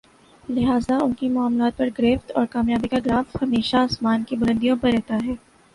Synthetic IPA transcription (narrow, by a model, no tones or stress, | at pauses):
lɪɦaːzaʊnkimʊaːmlaːt̪̚pɐɾɡɾeːft̪ɔːɾkaːmjaːbikaɡɾaːfhɐmeːʃaːsmaːnkibʊɾə̃nd̪ijõpɐɾːɛɦt̪aɦɛː